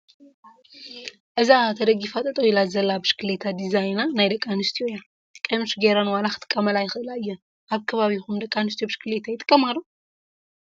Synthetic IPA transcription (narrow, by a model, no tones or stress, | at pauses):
ʔɨzat̪ʰɐd̪ɐɡifat̪ʼɐt̪ʼɐwjɪlazɐlabɨʃkʰɨlet̪ʰad̪izajnanajd̪ɐkʼːanɨst̪ʰijoja | kʼɐmɨʃɡeɾanwanaxʰɨt̪ʼɨ̥kʼːɐmɐlajɪxɨʔɨlajːɛ | ʔaβkʰɐβaβixumd̪ɐkʼːanɨs̬t̪ʰijobɨʃkʰɨlet̪ʰajɪt̪ʼɨkʼːɐmalu